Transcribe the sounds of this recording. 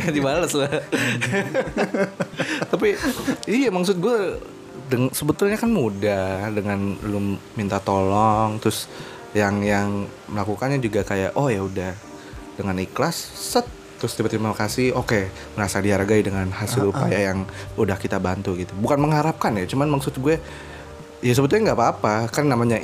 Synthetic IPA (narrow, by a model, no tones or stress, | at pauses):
dibaləsla | t̪ap̬iijamaksʊt̪̚ɡua | dəŋsəbət̪ʊlɲakanmudadəŋanbəlʊmːint̪at̪olɔŋt̪ɾʊs | jaŋjaŋ | məlakukanɲad͡ʒuɡakajaʔohjaudah | dəŋaniklassət̪ːɾʊst̪ipət̪imakasioke | məɾasadiaɾaɡaidəŋanhasɪluppa̰jajaŋudahkit̪abant̪uɡit̪ubukanməŋɦaɾap̚kanjat͡ʃumanmaksʊt̪̚ɡuɛ | jas̬əbət̪ʊlɲaŋɡapaːpakarnamaɲa